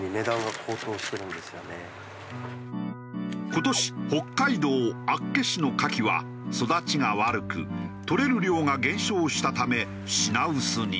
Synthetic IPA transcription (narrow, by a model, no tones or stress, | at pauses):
ɲime̞d̪ãŋɡakʰoːt̪o̞ːɕi̥t̪e̞ɾɯ̟̃nd̪e̞sɨjone | ko̞t̪o̞ɕi̥ho̞kːaid̪o̞ːakːe̞ɕino̞kakʲiβa̰ | so̞d̪at͡ɕiŋaβaɾɯ̟kɯ̰t̪o̞ɾe̞ɾɯ̟ɾʲjo̞ːŋaɡẽ̞ɰ̃ɕo̞ːɕi̥t̪at̪ame̞ | ɕinaɯsɨɲ̟ḭ